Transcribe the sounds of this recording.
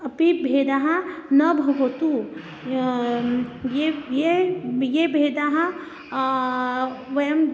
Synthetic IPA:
ɐpibʱeːd̪aɦãnɐbʱɐɡot̪u | jejejebʱeːd̪aɦã | ʋɐjɐm

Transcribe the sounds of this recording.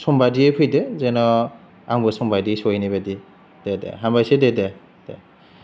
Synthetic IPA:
sɔmbadiepʰɯjdɯzenɔ | aŋbɯsɔmbajdisɔjnibadi | d̥edḛɦambajsedede | d̥e

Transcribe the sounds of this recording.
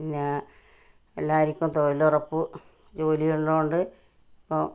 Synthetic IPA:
iɲːa | ḛlːaːiɾikʲːumt̪oilurɐpːɨ | d͡ʑo̞ːlijuɳlouɳɖɨ | ipːo

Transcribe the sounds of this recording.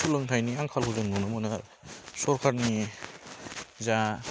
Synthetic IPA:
sulɯŋtʰajniaŋkʰalhuzɯŋnɔnamɔna | sɔɾkʰaɾni | za

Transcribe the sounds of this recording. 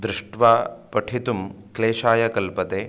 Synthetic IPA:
d̪ɾɪʂʈʋaːpɐʈʰit̪umkleːʃaːjɐkɐlpɐt̪eː

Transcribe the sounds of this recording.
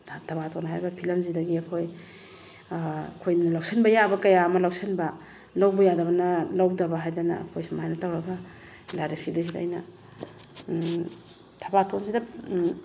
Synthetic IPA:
tʰɐbatʰonɦajbɐpʰilɐmzidɐɡiɐkʰoj | kʰojalawsenbɐjabɐkɐjaɐmɐlawsenbɐ | lawbɐjadɐβɐnɐlawdɐbaɦajdanɐ̰ːkʰojsmajnɐtawɾɐɡɐ | laɾisidɐs̬id̰ːjnɐ̰ | tʰɐbatʰons̬idɐ

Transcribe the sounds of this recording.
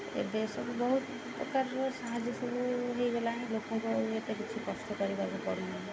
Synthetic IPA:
ḛd̪esɔbubɔɦut̪ | ppɾɔ̰kaɾːɔsaɦad͡ʒisɔbuɦejɡelaɦɛ̃lokmɔŋkɔet̪ekit͡ʃʰipɾɔst̪ɔkɔɾibabukɔɾunaɦ

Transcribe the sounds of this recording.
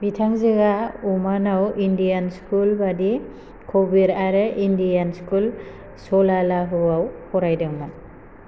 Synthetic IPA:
bitʰaŋzɯɡaumanawindijanskulbadi | kʰɔbiɾaɾɯʔindijanskul | sɔlalaɦuawhɔɾajdɯŋman

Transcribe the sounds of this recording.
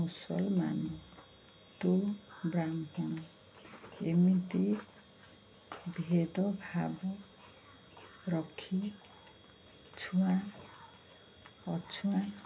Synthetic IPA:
usɔ̰lma̰nu | t̪obɾamɦɔñ | emit̪e | bʱed̪ɔbʱabɔ | ɾɔkʰi | t͡ʃʰuã | ɔt͡ʃʰuã

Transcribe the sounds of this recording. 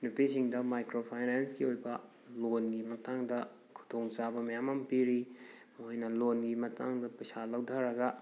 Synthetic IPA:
nupisiŋdɐmajkɾopʰajnansɡiojbɐ | lonɡimɐtaŋdɐ | kʰu̥tʰoŋsabɐmɐjamampiɾi | mɦojnɐlonɡimɐta̰ŋdɐpɐjsalawdʱaɾɐɡɐ

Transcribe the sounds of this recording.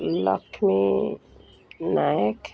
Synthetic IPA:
lɔ̰kʰmi | najɛk

